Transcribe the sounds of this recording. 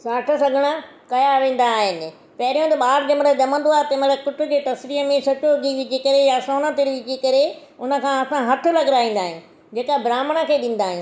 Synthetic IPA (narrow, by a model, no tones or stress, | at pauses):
saːʈʰə̆sɐɡʱəɽ̃ə | kɐjaʋẽːn̆d̪aːɦɪnɪ̆ | pɐɦɪɾijõt̪ɐɓaːɾd͡ʑɐmɽəʄɐmə̃nd̪oaːɦt̪ɐməɽəkʊʈʊ̆d͡ʑeːt̪ɐsɾiːɦəmẽsɐt͡ɕoɡʱiʋɪd͡ʑʱikɐɾejasoːnət̪eɾiʋɪd͡ʑikɐɾe | ʊnə̆kʰãːɐsãɦɐt̪ʰʊ̆lɐɡɾaːĩːn̆d̪aːɦɪ̰̃ | d͡ʑeːkabɾaːməɽ̃əkʰeːɗĩːn̆d̪aːɦɪ̃